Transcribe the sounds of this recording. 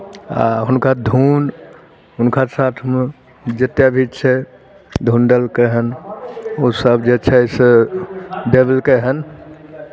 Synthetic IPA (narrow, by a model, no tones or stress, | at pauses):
a̰ɦʊnkad̪ʱun | ɦʊnkasat̪ʰme | d͡ʒət̪jabʱit͡ʃʰɛ | d̪ʱunɖəlkeɦən | osəbd͡ʒet͡ʃʰɛs | ɖebəlkeɦən